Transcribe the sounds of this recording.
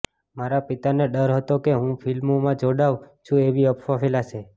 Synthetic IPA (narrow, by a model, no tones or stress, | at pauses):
maɾapit̪aneɖəɾɦət̪okeɦũfʰilmomãd͡ʒoɽaʋt͡ʃʰũeʋiəpfafelat͡ʃʰe